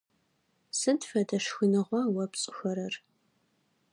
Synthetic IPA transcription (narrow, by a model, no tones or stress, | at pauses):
sɨdfɐdɐʂxɨnɨʁʷɑwɐpɕʼɪxɐɾɐr